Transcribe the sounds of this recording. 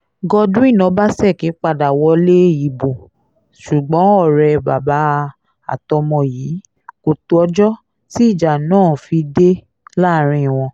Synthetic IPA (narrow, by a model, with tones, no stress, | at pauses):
ɡɔ˧dũ˦i˦˨nɔ̃˧˦ba˦sɛ˦˨ke˨˦k͡pa˧da˨wɔ˧˦le˦i˨bo˨ | ʃu˨ɡ͡bɔ̃˨˦ɔ˦˨ɾɛ˧ba˨ba˨˦˧ | a̰˨tɔ˧mɔ̃˧jiː˨˦ | ko˨tu˧ɔ˧d͡ʒɔ˦ | ti˦i˦˨d͡ʒa˨nãː˦˨fi˧de˦ | la˦˨ɾ̃ĩ˧˨w̃ɔ̃˧